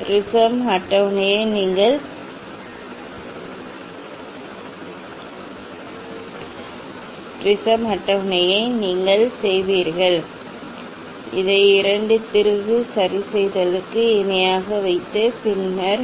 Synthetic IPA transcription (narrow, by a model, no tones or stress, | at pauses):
ɾɪsɐmɦɐʈːɐʋnɐjɐɪniːŋɡɐɭ | pɾɪsɐmɐʈːɐʋnɐjɐɪniːŋɡɐɭsɛjʋiːɾɣɐɭ | ɪ̰ðɐɪɪɾɐɳɖɯt̪ːɪɾɯɣɯsɐɾɪsɛjðɐlɯkːɯɪnɪjaːɣɐʋɐɪt̪ːɯpɪnmɐɾ